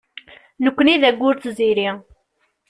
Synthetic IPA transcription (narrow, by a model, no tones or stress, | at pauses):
nəkʷːəniðæɡʷːʊɾt͡sːziɾi